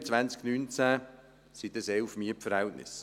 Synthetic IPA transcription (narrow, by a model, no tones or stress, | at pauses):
t͡sʋant͡sknyːnt͡sæ | sit̪əsɛlfmiəpfəɾhɛltnɪ̰s